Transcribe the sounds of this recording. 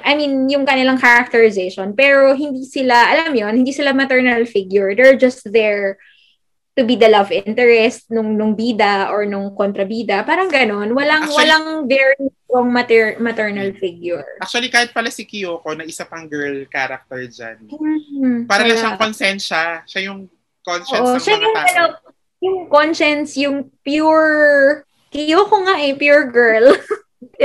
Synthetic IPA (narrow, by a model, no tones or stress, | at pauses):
ʔɐjminjʊŋkɐnɪlaŋkaɾɐk̚t̪ɛɹɪzejʃonpɛːɾoɦɪnd̪isɪlaʔɐlamjonhɪnd̪iːsɪlamɐt̪ɛɹnɐlfiɡjʊɹd̪ɛɹd͡ʒɐst̪ðɛɹ | t̪ʊbid̪ɐlɐvʔɪnt̪ɛɹɛst̪̚nʊŋnʊŋbiːd̪ɐʔoɹnʊŋkont̪ɾɐbiːd̪ɐpaːɾɐŋɡɐno̞nwɐlaŋwɐlaŋðɛɹɡoŋmɐt̪ɛɹmɐt̪ɛɹnɐlfɪɡjʊɹak̚t͡ʃuɐlikaːhɪt̪̚pɐlasɪkɪjoːkonɐʔɪsapɐŋɡɛɹlkaːɾak̚t̪ɛɹd͡ʒa̰n̩ːpaːɾɐlaʃakonsɛnʃɐʃajʊŋ | konʃʔoɛʔoʃajʊŋɡɐnon | jʊŋkonʃɛnsjʊŋpjuɹ | kɪjoːkoŋaʔɛpjuɹɡɛɹl